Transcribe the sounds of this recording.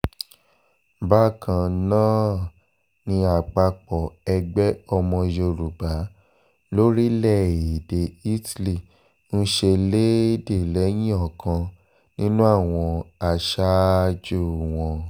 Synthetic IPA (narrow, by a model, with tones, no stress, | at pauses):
ba˦kʰã˨nãː˦ | nĩ˧a˨k͡pa˧k͡pɔ˨ɛ˧ɡ͡bɛ˦ɔ˧mɔ̃˧jo˧ɾu˨ba˨˦ | lo˦ɾi˦lɛ˦˨i˨de˨i˦tli˦˨ | n̩˦ʃe˧le˦de˦˨lɛ˨˦j̃ĩ˦ɔ˦˨kʰã˧ | nĩ˦nũ˦a˦˨w̃ɔ̃˧a˨ʃa˦d͡ʒo˦˨w̃ɔ̃˧